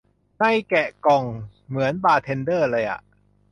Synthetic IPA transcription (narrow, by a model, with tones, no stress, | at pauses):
na˥˩jkɛ˨˩ʔkɔ˨˩ŋmɯ˩˦ənbaː˧˩t̪ʰe˧ndɤː˥˩lɤː˧jʔa̰˨˩ʔ